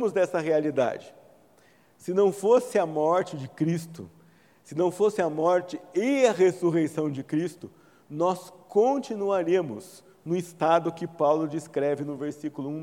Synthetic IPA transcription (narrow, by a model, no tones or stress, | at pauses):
mʊzd̪ɛsɐɦealid̪a̰d͡ʒɪ | sɪnɐ̃w̃fosɪɐmɔɾt͡ʃɪd͡ʒɪkɾist̪ʊ | sɪnɐ̃w̃fosɪɐmɔɾt͡ʃɪeɐɦesuɦejsɐ̃w̃d͡ʒɪkɾist̪ʊ | nɔskõt͡ʃinuaɾẽmʊz | nʊɪst̪ad̪ʊkɪpawlʊd͡ʒiskɾɛvɪnʊveɾsikʊlʊũ